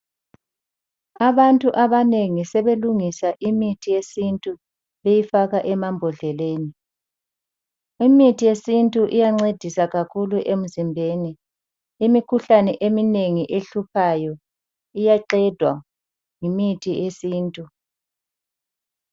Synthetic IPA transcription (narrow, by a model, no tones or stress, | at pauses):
aβantʼuʔaβaneŋisɛβeluŋisaʔimitʰijesintʼu | βejifaɣaʔɛmambʱɔɮɛleːni | imitʰijesintʼuʔijaŋ͡ǀed̥ʱisaɣakʰuluʔem̩zimbʱeniː | mikʰuɬanɛʔemineŋiʔeɬupʰajɔ | ijaǃɛd̥ʱwa̰ | ŋimitʰiesiːntʼu